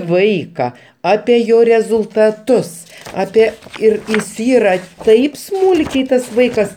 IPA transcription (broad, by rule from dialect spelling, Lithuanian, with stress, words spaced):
ˈʋɐɪkɐ ˈɑːpʲɛ ˈjoː rʲɛzʊlˠtɐˈtʊs ˈɑːpʲɛ ˈɪr ɪs ˈiːrɐ ˈtɐɪp ˈsmuːlʲkʲɛɪ ˈtɐs ˈʋɐɪkɐs